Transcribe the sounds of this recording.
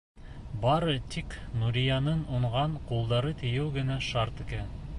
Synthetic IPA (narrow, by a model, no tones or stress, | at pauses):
bɑɾɤt̪ʰiknuɾʲijɑnɤnuɴʁɑɴqulˠd̪ɑɾɤt̪ɘ̆jɘwɡɘ̆næʃɑɾt̪ɘ̆kæ